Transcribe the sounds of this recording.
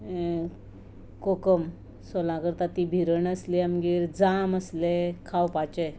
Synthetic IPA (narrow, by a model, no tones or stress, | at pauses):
kokəm | solãkəɾt̪at̪ibʱiɾəɳəsliamɡiːɾd͡zaməslekʰawpat͡ɕe